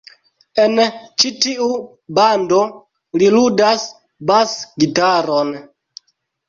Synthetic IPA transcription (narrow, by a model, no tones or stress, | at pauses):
e̞nt͡ʃitiu | bando̞ | liludas | basɡitaɾon